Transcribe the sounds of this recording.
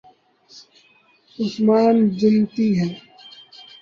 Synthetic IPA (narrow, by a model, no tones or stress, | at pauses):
ʊsmaːnd͡ʒɪnt̪iɦɛː